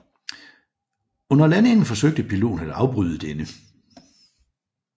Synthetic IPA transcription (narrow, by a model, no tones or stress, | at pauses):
ɔ̽nɐlæne̝ŋn̩fɒ̽søɡ̥̚d̥əpʰilo̝̰ːn̩æd̥ɑ̈ʊb̥ʁyð̞ˠəd̥enə